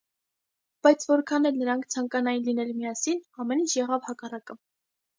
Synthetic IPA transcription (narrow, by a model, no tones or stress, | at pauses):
b̥ɑjt͡sʰvɔɾkʰɑnɛlnəɾɑŋkʰt͡sʰɑŋkɑnɑjinlin̪ɛlmiɑsinɑmɛnint͡ʃʰjɛʁɑvhɑkɑrɑkə